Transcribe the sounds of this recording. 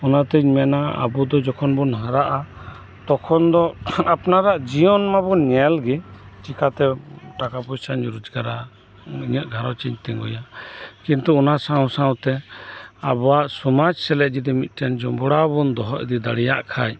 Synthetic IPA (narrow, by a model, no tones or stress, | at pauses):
ɔnat̪iɲmɛnaa̰bud̪ɔd͡ʒɔkʰɔnbɔnɦəɾaʔa | t̪ɔkʰɔnd̪ɔapnaɾaʔd͡ʒijɔnmabɔnɛlɡɛ | t͡ʃikʰat̪ɛʈakapɔjsand͡ʒuɾud͡ʒɡaɾa | iɲəʔ̪ɡʱaɾɔt͡ʃiɲt̪iŋɡɔ̰jakint̪uɔnasãwsãwt̪ɛ | a̰bɔwaʔsɔmad͡ʒsɛlɛʔ̚d͡ʒid̪ɛmit̪̚ˀʈɛnd͡ʒɔmbɔɽabund̪ɔɦɔʔɛd̪id̪aɽijaʔkʰaj